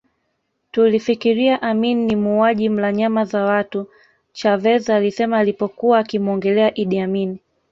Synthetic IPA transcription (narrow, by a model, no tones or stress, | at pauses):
tulifikiɾiaʔamininimuːaʄim̩laɲamazawatu | t͡ʃavɛzaːlisɛmaːlipɔkuwaːkimɔŋɡɛlɛaʔiɗiamini